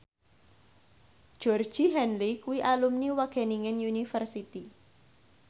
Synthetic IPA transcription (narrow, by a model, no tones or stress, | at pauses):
d̥ʒ̥ɔrd̥ʒ̥iɦɛnlikuwiʔalumniwaɡ̥ɛ̤niŋənjunifərsit̪i